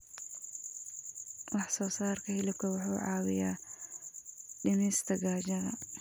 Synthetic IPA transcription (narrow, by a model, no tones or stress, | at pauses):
wɑħsɔːsaːrkʰɐhɪlɪb̚kʰɐwɑħuːʕɑːwɪjaː | ɖɪmɛːst̪ʰɐɡaːd͡ʒɐðɐ̰